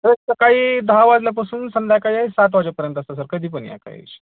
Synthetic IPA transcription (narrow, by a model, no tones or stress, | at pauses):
t̪əɾekt̪akaɦiːd̪ʱaʋad͡zlap̬əsuːnsənd̪jakaiaisat̪ʋad͡ʑapəɾjənt̪əst̪as̬əɾkəd̪ʱiːp̬ənja̰ka̰ɦḭt͡ɕ